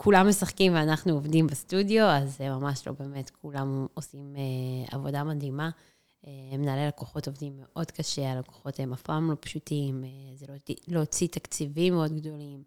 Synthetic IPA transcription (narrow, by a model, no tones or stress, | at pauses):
kʰulamːesaχkimveanaχnuovdimbestudjo̞azemamaʃlo̰beːme̞tkʰulamosimea̰vo̞damad̪ima | emenaːlelakoχo̞to̞vd̪imːe̞ʔo̞dkaʃealako̥χo̞temafamlopʃutimzeloiloːt͡sit̪akt͡sivimeo̞d̪ɡdo̞lim